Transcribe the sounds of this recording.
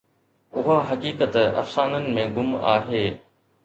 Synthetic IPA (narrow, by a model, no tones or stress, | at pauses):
ʊɦaɦɐkiːkət̪ɐ̰fsaːnənɪ̆mẽɡʊma̰ːɦeː